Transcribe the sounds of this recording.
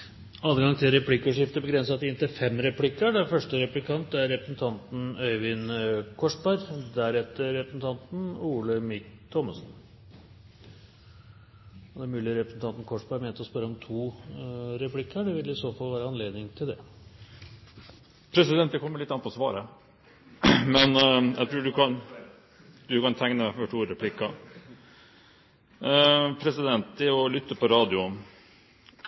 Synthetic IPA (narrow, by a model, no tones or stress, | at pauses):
ɑd̪əɡɑŋt̪ʰɪlɾɛpʰlɪkːəʂɪft̪əbəɡɾɛnsɑt̪ɛɪnt̪əfɛmːɾɛpʰlɪkːəɖɛfœʂʈəɾɛplɪkʰɑnt̪̚d̪ɛæɾɾɛpɾəsn̩t̪ʰɑnt̪n̩œʏʋɪnkʰɔʂbæɾd̪æɾɛt̪ːəɾːɛpɾəsn̩t̪ʰɑnt̪n̩uːləmɪkt̪ʰɔmːəsn̩ | ɔd̪ɛæɾmʉːlɪəɾɛpɾəsn̩t̪ɑnt̪n̩kʰɔʂbæɾmɛːnt̪əɔspœɾːəɔmt̪ʰuː | ɾɛpʰlɪkːəɖɛʋɪlɪsoːfɑlʋæːɾəɑnleːd̪nɪŋt̪ʰɪld̪ɛ̰ | pʰɾɛsɪd̪ɛnt̪ːəkʰɔmːəɭɪt̪ːɑnpʰɔsʋɑ̰ːɾə | mɛnjæ̰ɪt̪ʰɾʉːɖʉkʰɑn | d̪ʉkɑnt̪ʰæŋnəmæfɔʈʰuːɾɛpʰlɪkːɑ | pʰɾɛsɪd̪ɛnt̪ːɪɔlʏt̪ːəpʰɔɾɑːd̪ɪʊ